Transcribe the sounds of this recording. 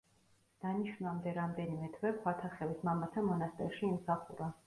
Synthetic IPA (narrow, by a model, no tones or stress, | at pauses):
d̪̥aniʃvnamd̪ɛɾamd̪ɛnimɛt̪ʰvɛkʰwat̪ʰaχɛvismamat̪ʰamɔnast̪ʼɛɾʃiːmsaχuɾa